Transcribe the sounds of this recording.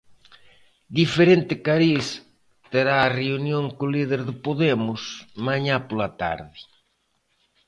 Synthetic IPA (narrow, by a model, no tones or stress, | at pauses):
d̪ifeɾent̪ɪkaɾis | t̪eɾaːreunjoŋkʊlið̞eɾðɪpoðemʊsmaɲapolat̪a̰ɾðɪ